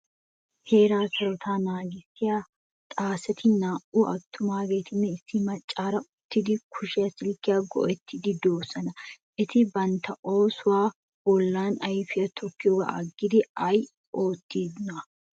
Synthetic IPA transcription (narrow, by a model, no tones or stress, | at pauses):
he̞ːɾaːsɐɾɔt̪ʰaːnaːɡɪsɪja | t̪ʼaːsɛt̪ʰɪnaːʔuʔɐt̪ʰːʊmaːɡe̞ːt̪ʰɪnːɛɪsːɪmɐt͡ʃʼːaːɾɐʊt̪ːɪd̪ɪkʰʊʃɪjɐsɪlkːɪjaːɡɔ̰ʔɛt̪ːɪd̪ɪd̪o̞ːsːɐnɐ | ʔɪt̪ɪbɐnt̪ɐʔo̞ːsʊwaː | wɔlːaːnɐjfɪjɐt̪ʰɔkːɪjoːɡa̰ʔɐɡːɪd̪ɪɐj | o̞ːt̪ːiːd̪nɐ